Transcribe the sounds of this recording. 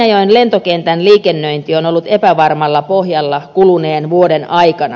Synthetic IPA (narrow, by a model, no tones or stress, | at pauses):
joinlent̪okent̪ænliːkenːøint̪ionolːut̪epæʋɑrmɑlːɑpohjɑlːɑkuluneːnʋuodenɑikɑnɑ̰